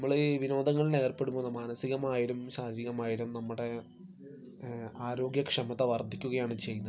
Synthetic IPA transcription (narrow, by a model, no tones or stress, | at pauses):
ɐmːɐɭɨʋino̞ːd̪ɐŋːɐɭine̞ːrpe̞ɽumːunːɐmaːnɐsiɣɐmaːjiɾumɕaːd̪ʱjiɣɐmaːjiɾumnɐmːuɽe̞ | aːɾo̞ːɡjɐkʂɐmɐt̪ɐʋɐrd̪ʱikʲːuɣɐjaːɳɨt͡ɕe̞junːɐ